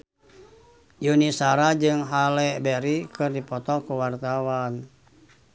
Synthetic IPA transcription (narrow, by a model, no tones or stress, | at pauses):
junisaɾad͡ʒɨŋɦalɛbɛɾikɨrdipɔt̪ɔkuwart̪awan